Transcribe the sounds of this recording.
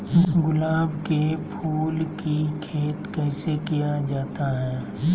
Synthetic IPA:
ɡʊlaːbkepʰuːlkikʰeːt̪kɛːsekijad͡ʒaːt̪aɦɛː

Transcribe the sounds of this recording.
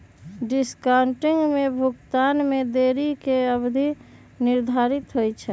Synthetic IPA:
ɖɪskaʊɳʈɪŋɡmebʱʊkt̪aːnmed̪eːɾikeəbd̪ʱi | nɪɾd̪ʱaɾɪt̪ɦojt͡ʃʰɛ

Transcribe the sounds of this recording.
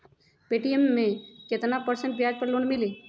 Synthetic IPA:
peʈijemːẽket̪napəɾsə̃ɳʈbjaːd͡ʒpəɾloːnmɪliː

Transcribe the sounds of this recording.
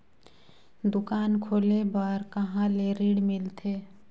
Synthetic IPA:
d̪ʊkaːnkʰoːlebəɾkɐɦãleɾiːɽmɪlt̪ʰeː

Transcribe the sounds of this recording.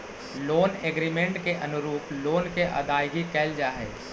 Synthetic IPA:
loːneɡɾiːmẽɳʈkeʔɐnʊɾuːploːnkeʔɐ̰d̪aːjɡikɛːld͡ʒaːɦɛ̰ː

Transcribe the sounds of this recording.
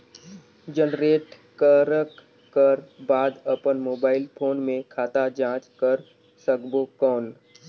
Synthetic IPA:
d͡ʒənɾeːʈ | kaɾəkʰː | əɾbaːd̪əpənmoːbaːɪlpʰoːnmẽkʰaːt̪ad͡ʒãːt͡ʃkəɾ | səɡbokɔːn

